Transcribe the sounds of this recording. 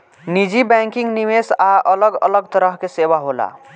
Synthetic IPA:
nid͡ʒibɛŋkiŋnimesaʔələɡə̰ləɡt̪əɾəɦkesebaɦola̰

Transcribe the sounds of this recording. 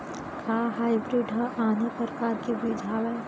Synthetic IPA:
kʰaːɦaːibɾiːɖɦəʔaːnepɾɾkaːɾkibiːd͡ʒʱaːʋɛ

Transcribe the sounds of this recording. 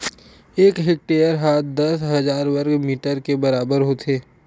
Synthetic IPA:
eːkɦɪk̚ʈeːjəɾɦaːt̪̚d̪ɐsɦɐzaːɾwɐɾɡmiːʈəɾkebɐɾaːbəɾɦoːt̪ʰeː

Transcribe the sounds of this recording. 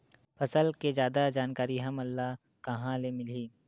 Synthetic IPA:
pʰɐsəlked͡ʒjaːd̪ad͡ʒaːnkaːɾiɦɐmɐlːaɦ | kɐɦãlemɪliː

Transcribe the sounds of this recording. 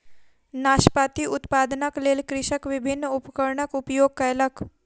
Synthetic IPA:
naːʃpat̪iʔʊt̪paːd̪nəkleːlkɾɪʃəkʋɪbʱɪnːupəkəɾɳəkupjoːɡ̚kəjlək

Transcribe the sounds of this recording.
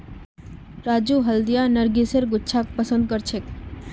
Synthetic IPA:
ɾad͡ʒuɦəld̪ijanəɾɡiseɾɡʊtːʃʰak̚pəsənd̪̚kəɾt͡ʃʰek

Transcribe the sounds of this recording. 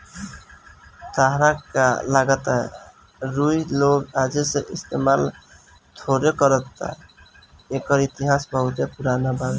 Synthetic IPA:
t̪aɦɾakalaɡat̪a | ɾujloɡad͡ʒeseʔist̪emal | t̪ʰoɾjokʌɾʌt̪ːa̰ | ekʌɾit̪iɦasbʌɦut̪epuɾanabaz

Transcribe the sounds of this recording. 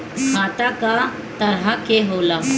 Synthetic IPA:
kʰaːt̪aka | t̪ɐɾɦakeɦoːlaːɦ

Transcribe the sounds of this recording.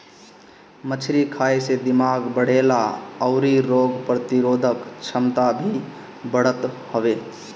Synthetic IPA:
mət͡ʃʰɾikʰajsed̪imaɡbəɽ̤elaəʊɾiɾoɡpɾət̪iɾod̪ʱəkt͡ʃʰəmt̪abʱi | bəɽət̪həʋe

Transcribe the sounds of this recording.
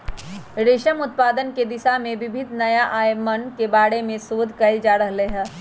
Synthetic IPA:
ɾeːʃəmʊt̪̚paːd̪ənked̪ɪsamẽʋɪbʱɪd̪ʱnɐjaʔaːjmənkebaːɽemẽsoːd̪ʱkɐɪld͡ʒaːɾəɦleɦɛ̃ː

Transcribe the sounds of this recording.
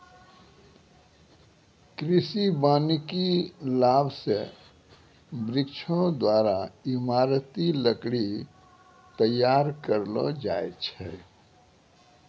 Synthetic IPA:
kɾisibanikilabse | bɾikt͡ʃʰõd̪waɾaimaɾt̪iləkɽi | t̪əjːaɾkəɾlɔ̰d͡ʒaet͡ʃʰɛ

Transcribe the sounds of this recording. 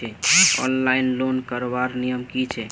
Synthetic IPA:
ɛɔ̰nlainlonkəɾbaɾnijəmkit͡ʃʰɛ

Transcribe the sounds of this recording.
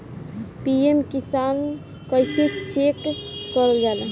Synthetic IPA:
piemkisan | kəjset͡ʃekːəɾəld͡ʒala

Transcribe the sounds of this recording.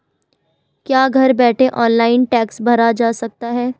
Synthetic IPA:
kjaːɡʱɐɾbɛːʈʰeʔɔːnlaːɪnʈɛːksbʱɐɾad͡ʒaːsɐk̚t̪aɦɛː

